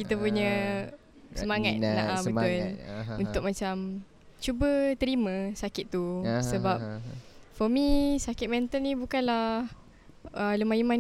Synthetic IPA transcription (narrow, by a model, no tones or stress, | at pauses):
kit̪əpuɲə̃ | səmaŋat̪naʔabət̪ʊlunt̪ʊk̚mat͡ʃam | t͡ʃubət̪əɾimə̃sakɪt̪ːusəbap̚fɔmisakɪt̪̚mɛ̃nt̪əlnibukanlah | ələmaiman